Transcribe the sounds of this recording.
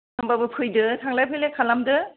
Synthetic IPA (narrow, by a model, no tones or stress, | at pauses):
ɯmbabɯpʰɯjdɯtʰaŋlajpʰɯjlekʰalamdɯ